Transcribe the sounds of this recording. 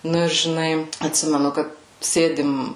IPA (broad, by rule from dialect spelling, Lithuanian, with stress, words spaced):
ˈnʊ ɪr ʒʲɪˈnɐɪ ɐtʲˈsʲɪmʲɛnʊ ˈkɐt ˈsʲeːdʲɪm